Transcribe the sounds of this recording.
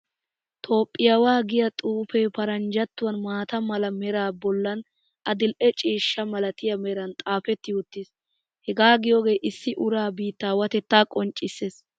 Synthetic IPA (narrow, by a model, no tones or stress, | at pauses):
t̪ʰo̞ːpʼːɪjɐwaːɡɪjɐt̪ʼuːfɛpɐɾɐnd͡ʒɐt̪ːʊwɐnmaːt̪ɐmɐlɐmɛɾaːbɔlːɐn | ʔɐd̪ɪlʔɛt͡ʃʼiːʃːɐmɐlɐt̪ɪjɐmɛɾɐnt̪ʼaːfɛt̪ːɪʊt̪ːɪs | hɛɡaːɡɪjoɡe̞ːʔɪsːɪʔʊɾaːbiːt̪ːaːwɐt̪ɛt̪ːaːkʼɔnt͡ʃʼːɪsːes